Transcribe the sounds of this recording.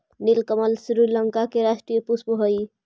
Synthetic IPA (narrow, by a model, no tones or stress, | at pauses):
nilkəməlsɾiləŋkakeɾasʈɾijəpuspuɦəj